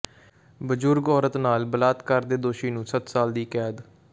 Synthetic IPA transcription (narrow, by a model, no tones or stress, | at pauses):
bəd͡ʒʊɾɡɔːɾət̪naːlbəlaːt̪kəɾd̪eːd̪oːʃiːnũːsət̪saːld̪iːkɛːd̪